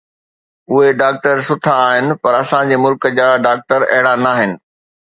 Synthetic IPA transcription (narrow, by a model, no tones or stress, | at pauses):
ʊɦeɖaːk̚ʈəɾsʊʈʰaːɦɪnɪ̆pɐɾɐsãd͡ʑeːmʊlkəd͡ʑaːɖaːk̚ʈəɾɐ̰ɦɪɽanaːɦɪnɪ̆